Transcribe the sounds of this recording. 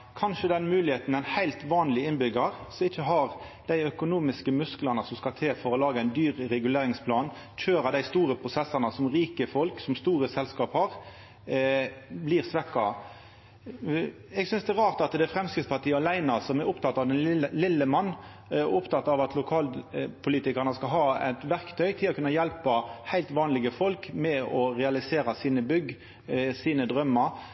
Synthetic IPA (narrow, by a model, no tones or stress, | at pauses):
kʰɑnʃəd̪ɛnmʉːlɪheːt̪n̩æɪnhæɪlt̪ʋɑːnlɪɪnbʏɡəɾsɔmɪçːəɦɑʁ | d̪̥æɪœkʊnuːmɪskəmʉsklɑnəsɔmskɑt̪ʰeːfɔɾɔlɑːɡəæɪnd̪yːʁɾɛɡʉleːɾɪŋspʰlɑːn | c͡çʰøːɾɑd̪æɪst̪uːɾəpʰʁʊsɛsːɑnəsɔmʁiːkəfɔlksɔmst̪uːɾəsɛlskɑːphɑʁ | bliːʁsʋɛkːɑ | ɛɡsʏnsd̪ɛːɾɑːʁt̪ɑt̪d̪ɛfɾɛmskɾɪt̪spɑt̪iːəɑlæɪnɑsɔmɛɾɔpt̪ʰɑt̪ːɑʋd̪ɛnlɪlːəmɑnː | ʊpt̪ɑt̪ːɑʋɑt̪lʊkʰɑːlpʰʊliːt̪ɪkəʁnəskɑlɦɑːæ̰t̪ʋæʁkt̪ʰœʏt̪ʰɪlɔkʉnːɑjɛlpɑhæɪlt̪ʋɑːnlɪɡəfɔlkmɛɔʁɛɑlɪseːɾɑsiːnəbʏɡ | siːnəd̪ʁœmːɑɾ